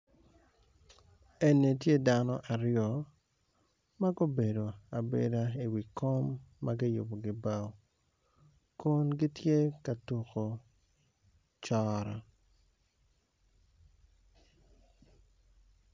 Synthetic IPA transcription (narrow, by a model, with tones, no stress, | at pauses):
e˨ne˨tje˦da˦nɔ̰˦ʔa˨ɾjɔ˨ | ma˦ɡo˦be˨do˨a˨bḛ˨da˦i˨wi˨ko˦mːa˦ɡɪ˦jo̰˨bo˨ɡɪ˨ba˦w | kʊ˦nɡɪ˦tje˦ka˨tu˨ko˨ | t͡ʃɔ˦ɾɔ˨